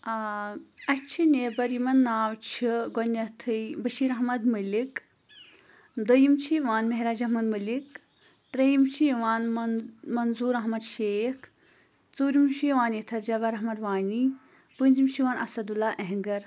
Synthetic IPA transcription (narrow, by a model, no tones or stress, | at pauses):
ɐt͡ʃʰineːbɐɾimɐnːaːwt͡ʃʰiɡonɐt̪ʰɨjbɐʃiːɾɐɦmɐd̪mɐlik | d̪ɐjimt͡ʃʰiʋaːnmɐɦɾaːd͡ʒɐɦmɐd̪mɐlik | t̪ɾɐjimt͡ʃʰiʋaːnmɐnzuːɾɐɦmɐd̪ʃeːkʰ | t͡suːɾimʃiʋaːnit̪ʰɐɾd͡ʒɐbɐɾɐɦmɐd̪ʋaːni | pɨnzimʃiʋaːnʔɐsɐd̪ulaːʔeɦŋɡɐɾ